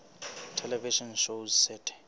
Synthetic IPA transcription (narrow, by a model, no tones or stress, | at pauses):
tʰɛlɛviʃɔnʃozsɛtʰɛ̥